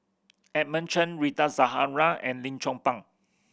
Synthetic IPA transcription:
ɛt̚mə̃nt͡ʃə̃nɹitazaɦaɹaɛ̰̃nlĩnt͡ʃɔ̃ŋpãŋ

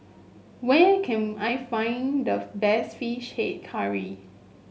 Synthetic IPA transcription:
wɛkʰɛ̃najfãɪ̃ndəbɛsfiʃhet̚kʰaɹi

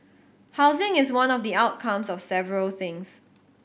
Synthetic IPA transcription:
haʊzɪ̃ŋɪswãnɔfdiaʊt̚kʰãmsɔfsɛvəɹəlθɪ̃ŋs

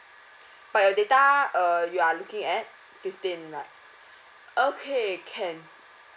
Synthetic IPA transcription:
b̥ajɔdetaəjualukĩŋɛt̚ | fiftĩnlaɪt̚ | ʔokʰekʰɛ̃n

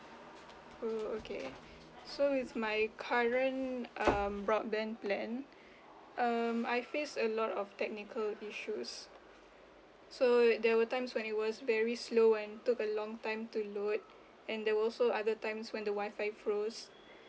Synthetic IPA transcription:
ookʰḛ | sowiθmajkʰaɹə̃nʔʌmbɹɔt̚bɛ̃nplɛ̃n | ʔʌmajfestəlɔtɔftɛk̚nikʰəliʃus | sodɛwətãɪ̃mswɛ̃nit̚wɔsvɛɹisloɛ̃ntukəlɔ̃ŋtãɪ̃mtulot̚ | ɛ̃ndɛwəɔlsoadətãɪ̃mswɛ̃ndəwaɪfaɪfɹos

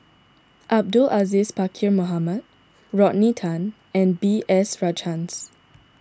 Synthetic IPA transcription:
ʔab̚dulʔazispakʰimoɦaməd̚ | ɹɔʔnitʰãn | ɛ̃nbiʔɛsɹad͡ʒãns

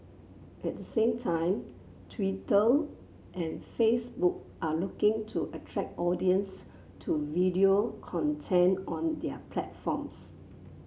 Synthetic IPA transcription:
ʔɛt̚dəsẽmtʰãɪ̃m | tʰwitə | ʔɛ̃nfesbuk̚ | ʔalukɪ̃ŋtʰuʔətʰɹɛk̚ɔdiə̃ns | tʰuvidiokʰɔ̃ntʰɛ̃nɔ̃ndɛpʰlɛtfɔ̃ms

